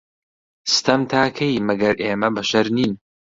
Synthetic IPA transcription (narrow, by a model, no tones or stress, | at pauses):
sɨ̥t̪ʰɐmt̪ʰaːkʰɐjmɐɡɐɾʔeːmɐbɐʃɐɾniːn